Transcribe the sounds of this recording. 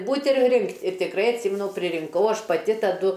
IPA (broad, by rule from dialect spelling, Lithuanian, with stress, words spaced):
ˈbuːtʲ ɪr ˈrʲɪŋktʲ ɪr tʲɪkˈrɐɪ ɐtʲˈsʲɪmʲɛnʊ pʲrʲɪrʲɪŋˈkɐʊ ˈɐʃ pɐˈtʲɪ tɐˈdʊ